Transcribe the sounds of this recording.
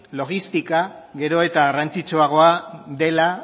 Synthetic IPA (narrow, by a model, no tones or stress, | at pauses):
lo̞ɣ̞ist̪ikaɣe̞ɾo̞e̞t̪aɣarant͡sit͡soaɣ̞o̞aðe̞la